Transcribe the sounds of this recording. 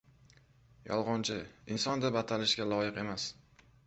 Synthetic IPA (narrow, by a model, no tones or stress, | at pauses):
jɒ̰lˠʁɒnt͡ʃʰɪɪnsɒnd̪abat̪ʰalɪʃɡʲalɒjɪqe̞mas